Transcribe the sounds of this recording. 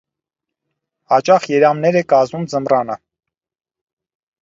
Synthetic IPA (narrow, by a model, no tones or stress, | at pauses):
hɑt͡ʃɑχjɛɾɑmnɛɾɛkɑzmumd͡zəmrɑnə